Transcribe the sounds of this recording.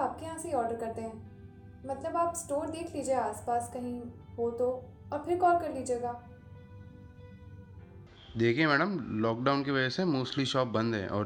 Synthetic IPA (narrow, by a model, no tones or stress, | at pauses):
aːp̚kejɐɦãːseiɔːɾɖəɾkɐɾt̪eɦɛ̃ː | mɐt̪ləbaːpsʈoːɾd̪eːkʰliːd͡ʒieaːspaːskɐɦĩɦoːt̪o | ɔːɾpʰɪɾkɔːlkɐɾliːd͡ʒeːɡaː | d̪eːkʰẽmɛːɖəmlɔːk̚ɖaːʊnkeʋɐd͡ʒɛsemuːsliʃɔːp̚bɐ̃nd̪ɦɛ̰̃ːʔɔ̰ː